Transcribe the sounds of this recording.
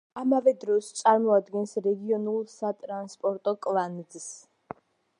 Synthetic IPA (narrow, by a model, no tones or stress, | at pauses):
amavɛd̪ɾɔst̪sʼaɾmɔad̪ɡɛnsɾɛɡiɔnulˠsat̪ʼɾanspʼɔɾt̪ʼɔkʼlˠanid̪zs